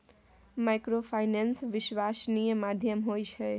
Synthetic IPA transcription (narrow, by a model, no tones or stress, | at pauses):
majkɾopʰajnensʋiswasnijəmad̪ʱjəmɦojt͡ʃʰɛ